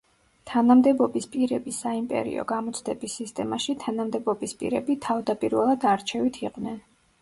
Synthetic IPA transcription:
t̪ʰanamd̪ɛbɔbispʼiɾɛbisːaimpʼɛ̰ɾḭɔ̰ɡamɔt̪sʰd̪ɛbisːist̪ʼɛmaʃit̪ʰanamd̪ɛbɔbispʼḭɾɛbit̪ʰavd̪apʼiɾvɛlˠad̪aɾt͡ʃʰɛvit̪ʰiqʼvnɛn

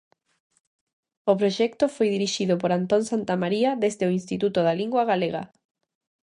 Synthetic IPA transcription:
ʊpɾoʃɛkt̪ʊfojðiɾiʃiðʊpoɾant̪onsant̪amaɾiaðezðeʊinst̪it̪ut̪ʊðaliŋɡwaɣaleɣa̰

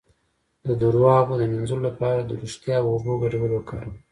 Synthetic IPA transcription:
d̪əd̪uɾwɑɣod̪əmɪnzulolapɑɾad̪əɾuʃt̪jɑwoboɡaɾawəlokʰɑ̰ɾa

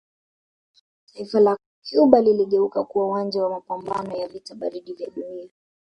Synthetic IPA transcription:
taifala | kuɓaliliɠɛukakuwauwand͡ʒawamapambanɔjavitaɓaɾiɗivjaɗunia

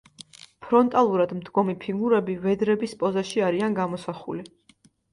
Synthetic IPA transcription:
pʰɾɔnt̪ʼalˠuɾad̪md̪ɡɔmipʰiɡuɾɛbivɛd̪ɾɛbispʼɔzaʃiaɾianɡamɔsaχṵli

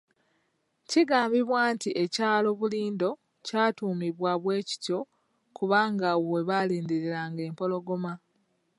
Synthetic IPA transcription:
ciɡaːmbiβwaːntiʔe̞caːlo̞βuliːndo̞ | caːtuːmiβwaβwe̞ːci̥tjo̞ | kuβaːŋɡawe̞βaliːndeɾiɾaŋɡe̞ːmpo̞lo̞ɡo̞ma

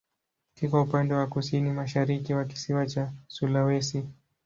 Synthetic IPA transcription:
kikwaupandɛwakusinimaʃaɾikiwaki̥siwat͡ʃasulawɛsi

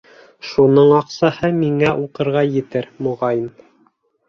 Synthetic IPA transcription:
ʃunɤɴɑqsɑhɤmiŋæʔuqɤ̆ɾʁɑjɘ̆t̪ɘɾmŏʁɑjim

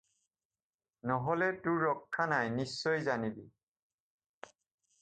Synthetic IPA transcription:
nɔɦɔlɛtʊɹːɔkʰːanajnisːɔjzanibi

